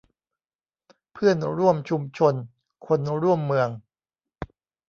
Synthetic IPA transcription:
pʰɯ˥˩ənɾu˥˩əmt͡ɕʰu˧mt͡ɕʰo˧n | kʰo˧nɾu˥˩əmːɯ˧əŋ

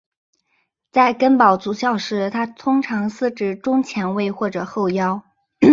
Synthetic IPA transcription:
t͡sa˥˩ɪkə˥npɑ˨˩ʊt͡su˧˥˩ɕjɑ˥˩ʊʂɻ̩˧˥˩t̪ʰa˥t̪ʰʊ˥ŋʈ͡ʂʰɑ˧˥ŋsɹ̩˥˩ʈ͡ʂɻ̩˥˩ʈ͡ʂʊ˥ŋt͡ɕʰjɛ˧˥nwe˥˧ɪxwɔ˥˩ʈ͡ʂɤ˨˩xo˥˩ʊjɑ˥ʊ

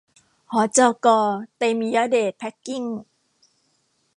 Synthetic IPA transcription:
hɔ˨˦t͡sɔ˧kɔ˧t̪e˧mi˨ja˧˦de˨˩pʰɛ˦˥kːi˥˨ŋ

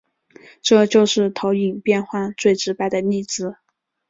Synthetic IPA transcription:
ʈ͡ʂɤ˥˧t͡ɕjo˥˧ʊʂɻ̩˥˩t̪ʰo˧˥ʊi˨˩ŋpjɛ˥˧nxwa˥˧nt͡swe˥˩ɪʈ͡ʂɻ̩˧˥pa˥˩ɪd̪ə˩ni˥˩t͡sɹ̩˧˩

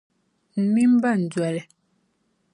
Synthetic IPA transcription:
m̩˨mi˦m˦ba˦˨n̩˨d͡zwɛ˨lɛ˨

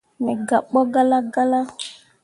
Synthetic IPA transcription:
mɛ˨ɡa˨k͡pɔ˦ɡa˦la˦ɡa˦la˦

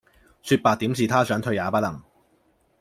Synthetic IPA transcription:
syː˧t̚paː˨k̚t̪iː˨˥msiː˨˩t̪ʰaː˥sœː˨˥ŋt̪ʰɵ˧ɥjaː˨˧pɐ˥lɐ˨˩ŋ

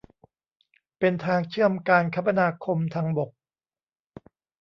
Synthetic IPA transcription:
pe˧nt̪ʰaː˧ŋt͡ɕʰɯ˥˩əmkaː˧nkʰa˦˥pa˧naː˧kʰo˧mt̪ʰaː˧ŋbo˨˩k̚

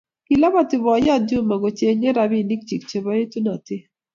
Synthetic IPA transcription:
ki˨la˦ba˦˨tɪ˨bɔ˨jɔ˦˨t̚d͡ʒu˦ma˨ɡo˨t͡ʃe˨˦ɲe˦ɾa˨bi˦˨ni˦k̚t͡ʃi˨k̚t͡ʃe˨ba˨˦je˦tu˦na˨tɪ˦

